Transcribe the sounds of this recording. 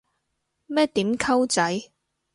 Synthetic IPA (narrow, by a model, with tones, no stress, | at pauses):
mɛː˥t̪iː˨˥mkʰɐ˥wt͡sɐ˨˥j